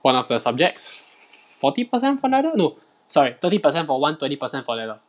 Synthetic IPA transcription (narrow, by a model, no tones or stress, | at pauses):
wãnɔfdəsab̚d͡ʒɛk̚ts | fɔtipəsɛ̃ntfɔnɛɾəno | sɔɹit̪ətipəsɛ̃ntfɔwãntwɛ̃ntipəsɛ̃nfɔnɛdə